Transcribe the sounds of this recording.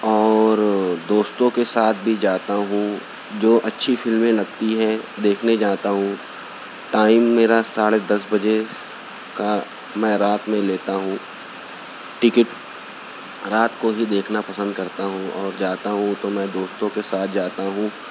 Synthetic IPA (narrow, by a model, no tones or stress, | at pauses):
ɔːɾd̪oːst̪õkesaːt̪̚ʰbʱid͡ʒaːt̪aɦũ | d͡ʒoːʔɐtːʃʰifɪlmẽlɐɡt̪iɦɛd̪eːkʰned͡ʒaːt̪aɦũ | ʈaːɪmːeːɾasaːɽed̪ɐsbɐd͡ʒe | ka | mɛ̃ːɾaːt̪mẽleːt̪aɦũ | ʈɪkɪʈ | ɾaːt̪koɦid̪eːkʰnapɐsə̃nd̪kɐɾt̪aɦũɔːɾd͡ʒaːt̪aɦũt̪omɛ̃d̪oːst̪õkesaːt̪̚ʰd͡ʒaːt̪aɦũ